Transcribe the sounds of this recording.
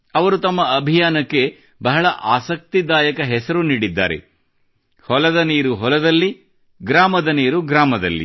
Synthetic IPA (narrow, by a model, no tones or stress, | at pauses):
ɐʋɐɾut̪ɐmːɐɐbʱijaːnɐkːe̞ | bɐɦɐɭɐʔaːsɐk̚t̪id̪aːjɐkɐɦɛsɐɾuniːɽid̪ːa̰ːɾḛ | hɔlɐd̪ɐniːɾuɦɔlɐd̪ɐlːi | ɡɾaːmɐd̪ɐniːɾuɡɾaːmɐd̪ɐlːḭ